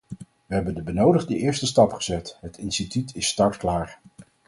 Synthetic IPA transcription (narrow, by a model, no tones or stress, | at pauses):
ʋəɦɛbəndəbənowdəχdəʔɪːɹstəstɑpχəzɛtɦətɪnstitytʰɪstɑɹtklaːɹ